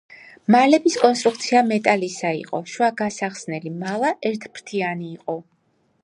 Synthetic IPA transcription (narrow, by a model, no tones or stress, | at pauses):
malɛbiskʼɔnst̪ʼɾuk̚ʰt̪sʰiamɛt̪ʼalisaḭqʼɔ̰ʃwaɡasaχsnɛlimalˠaʔɛɾt̪ʰbɾt̪ʰianiːqʼɔ